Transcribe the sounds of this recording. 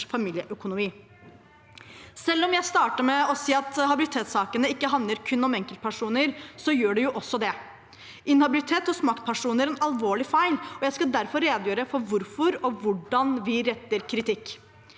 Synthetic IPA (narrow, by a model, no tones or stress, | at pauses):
fɑmiːljəʔœkʊnʊmiː | sɛlːɔmjæɪst̪ɑːʈəmɛɔsiːɑt̪hɑbɪlɪt̪ʰeːt̪sɑːkənəɪkːəɦɑnd̪ləɾkʰʉnːɔmɛŋkəlt̪̚pʰæʂuːnəɾsɔjøːɖɛjʊʔɔsːɔd̪ɛ | ʔɪnhɑbɪlɪt̪ʰeːt̪ɔsmɑkt̪̚pʰæʂuːnəɾɛnɑlʋoːɭɪfæɪlɔjæɪskɑd̪æɾfɔɾːeːd̪jøːɾəfɔɾʋʊɾfɔɾɔʋʊɖɑnʋɪɾɛt̪ːəɾkʰɾɪt̪ɪkː